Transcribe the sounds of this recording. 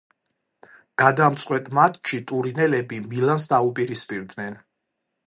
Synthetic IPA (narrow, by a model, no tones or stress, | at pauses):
ɡ̥ad̪amt̪sʼqʼwɛt̪ʼmat̪ʰʼʃit̪ʼuɾinɛlɛbimilans̬d̪aupʼiɾispʼiɾd̪nɛn